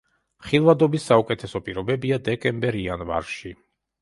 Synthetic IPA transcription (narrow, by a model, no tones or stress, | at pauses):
χilˠvad̪ɔbisːaukʼɛt̪ʰɛsɔpʼiɾɔbɛbiad̪ɛkʼɛmbɛɾianva̰ɾʃi